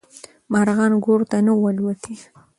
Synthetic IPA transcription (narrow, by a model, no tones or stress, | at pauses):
mɑɾɣɑnɡoɾt̪anəwalwat̪i